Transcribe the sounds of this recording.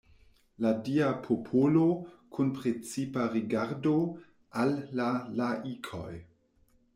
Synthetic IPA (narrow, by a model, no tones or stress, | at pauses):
ladiapʰopʰolokʰunpɾet͡sipaɾiɡaɾdo | ʔalːalaʔikʰo̰j